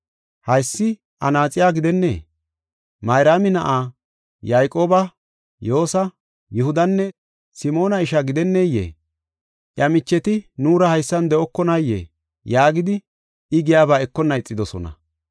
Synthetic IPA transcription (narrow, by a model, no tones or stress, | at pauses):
hɐjsːɪ | ʔɐnaːt͡sʼɪjaːɡɪd̪ɛnːḛː | mɐjɾaːmɪnɐʔaː | jaːjkʼo̞ːbɐ | jo̞ːsɐ | jɛhʊd̪ɐnːɛ | sɪmo̞ːnɐɪʃɐɡɪd̪ɛnːejḛː | ʔjɐmɪt͡ʃːɛt̪ɪnuːɾɐhɐjsːɐnd̪ɛʔɔkːɔnɐjːḛː | jaːɡɪd̪ɪ | ɪɡɪjaːbaːɛkːɔnːɐɪt͡sʼːɪd̪ɔsɔ̰nɐ̰